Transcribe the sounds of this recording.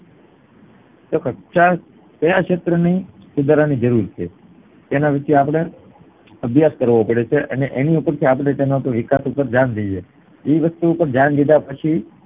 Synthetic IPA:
t̪okəʈʃa | səjaʃet̪ɾənisud̪aɾanid͡ʒəɾuɾt͡ʃʰe | t̪enaʋit͡ʃiapɽ̃e | əbʱjaskəɾʋopəɽet͡ʃʰeʔə̰neʔeniupəɾt̪ʰiapɽet̪enaup̪əʋɪkasupəɾd͡ʒand̪əd͡ʒe | iʋəst̪uːpəɾd͡ʒand̪id̪apət͡ʃʰi

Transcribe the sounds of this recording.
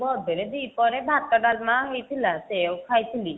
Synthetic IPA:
bɔd̪ʱeɾed̪ijpɔɾebʱat̪ɔɖalmaɦejt̪ʰilasewkʰajt̪ʰili

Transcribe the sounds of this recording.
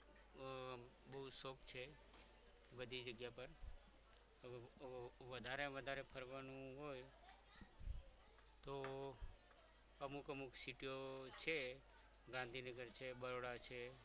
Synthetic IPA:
bəɦusokt͡ʃʰe | bəd̪ʱid͡ʒəɡjapəɾ | əʋeʋəd̪ʱaɾeʋəd̪ʱaɾepʰəɾʋanũɦoj | t̪o | əmukəmuksiʈiot͡ʃʰe | ɡãnd̪ʱinəɡəɾt͡ʃʰebəɾoɽat͡ʃʰe

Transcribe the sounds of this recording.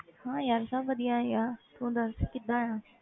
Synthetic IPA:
hãːjaːɾsãʋɐd̪ijãːjat̪ũːd̪ɐɾskɪd̪ãːjãː

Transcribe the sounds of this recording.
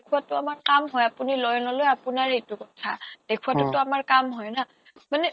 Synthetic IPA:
kʰuwatʊamaɹkamɦɔjapunilɔjɔnɔlojapunaɹhetukɔtʰad̥ekʰuwatʊtɔamaɹkamɦɔjna | manɛ

